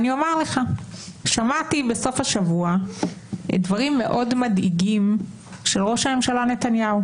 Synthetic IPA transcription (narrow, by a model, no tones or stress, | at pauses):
niomaʁle̞χaʃamat̪ibeso̞faʃavua | ḛdvaʁimːe̞̰ʔo̞dmadiɡim | ʃelʁo̞ʃame̞mʃalane̞t̪anjau